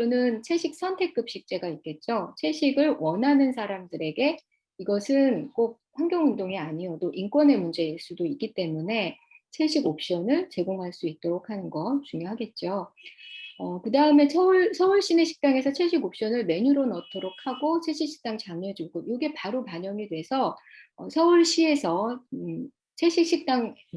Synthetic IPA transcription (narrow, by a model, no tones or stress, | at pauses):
kɯɾʌnɯnt͡ɕʰe̞ɕʰik̚s͈ʰʌntʰe̞k͈ɯp̚ɕ͈ik̚t͡ɕ͈e̞ɡaik͈e̞t̚t͡ɕ͈ot͡ɕʰe̞ɕʰiɡɯɭwʌnɦanɯnsʰaɾamdɯɾe̞ɡe̞ | iɡʌsʰɯnk͈ok̚ɸwaŋɡjʌŋɯndoŋiaɲijotoʔink͈wʌne̞mund͡ʑe̞iɭs͈udoik͈it͈e̞mune̞ | t͡ɕʰeɕʰiɡop̚ɕ͈ʌnɯɭt͡ɕe̞ɡoŋɦaɭs͈uit̚t͈oɾokʰanɯnɡʌt͡ɕuŋjoɦaɡe̞t̚t͡ɕ͈o | ʌkɯdaɯme̞sʰʌuɭsʰʌuɭɕ͈ine̞ɕʰi̥k̚t͈aŋe̞sʰʌt͡ɕʰeɭɕʰiɡop̚ɕ͈ʌnɯɭme̞ɲuɾonʌtʰoɾok̚ʰhaɡot͡ɕʰeɕ͈ʰik̚ɕ͈i̥k̚t͈aŋt͡ɕaŋɲʌd͡ʑuɡojoɡe̞paɾopaɲʌŋidwe̞sʰʌːsʰʌuɭɕ͈ie̞sʰʌ | t͡ɕʰeɕ͈ʰik̚ɕ͈ik̚t͈aŋ